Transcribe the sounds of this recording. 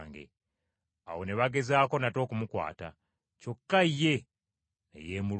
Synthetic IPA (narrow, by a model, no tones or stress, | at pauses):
ŋɡḛ | a̰wo̞ne̞βaɡe̞zaːko̞nato̞ːkumukwa̰ːta̰ | co̞kːaijːe̞ | nḛje̞ːmu